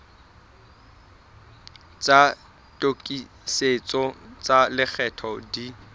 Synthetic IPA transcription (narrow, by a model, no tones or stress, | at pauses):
t͡sʼa | tʼokʼi | set͡sʼɔt͡sʼalɪk͡xʰɛtʰɔdi